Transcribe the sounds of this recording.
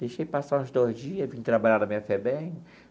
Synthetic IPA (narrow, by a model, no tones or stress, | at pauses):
d̪̥ejʃejpasaũzd̪ozd͡ʒiɐvĩɲʊt̪ɾabaʎaɾd̪ɐmĩɲɐfɛbẽj̃